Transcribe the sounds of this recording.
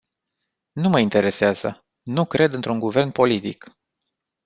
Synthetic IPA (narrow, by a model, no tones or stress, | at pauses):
numəint̪e̞ɾe̞seaz̥ə̰ | nukɾe̞d̪ɨnt̪ɾuŋɡuve̞rnpo̞lit̪ḭk